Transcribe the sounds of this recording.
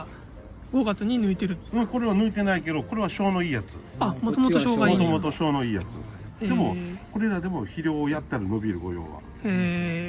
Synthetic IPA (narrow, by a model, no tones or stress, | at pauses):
ɡo̞ɡat͡sɨɲ̟inɯ̟it̪eɾɯ̟ɯŋko̞ɾe̞β̞anɯ̟it̪e̞naike̞d̪o̞ko̞ɾe̞βaɕo̞ːno̞iːjat͡sɨ̰amot̪omot̪oɕoːɡamot̪o̞mo̞t̪o̞ɕo̞ːno̞iːja̰t͡sɨ̰ | d̪e̞mo̞ko̞ɾe̞ɾad̪e̞mo̞çiɾʲjo̞ːjat̪ːaɾɯ̟no̞bʲiɾɯ̟ɡo̞̰jo̞̰ːβa̰ | e